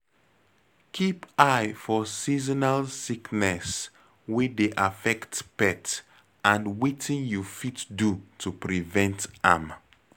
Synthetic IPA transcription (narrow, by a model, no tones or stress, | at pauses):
kʰipajfɔsizɔnalsiknɛs | wedeʔafɛktpɛt | ãndwitʰĩnjufitdutʰupɹivɛ̃ntam